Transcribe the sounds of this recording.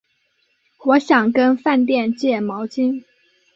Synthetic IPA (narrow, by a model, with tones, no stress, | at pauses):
wɔ˧˥ɕjɑ˨˩ŋkə˥nfa˥˧nt̪̬jɛ˥˧nt͡ɕjɛ˥˩mɑ˧˥ʊt͡ɕi˥n